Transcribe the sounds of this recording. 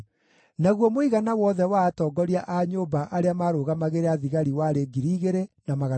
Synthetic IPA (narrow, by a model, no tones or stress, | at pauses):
naɣwɔmoiɣanawɔðɛwaːtɔːɡɔɾiaʔaɲoːbaʔaɾeamaːɾoːɣamaɣeɾeaðiɣaɾiwaɾeɡiɾiːɣeɾenamaɣa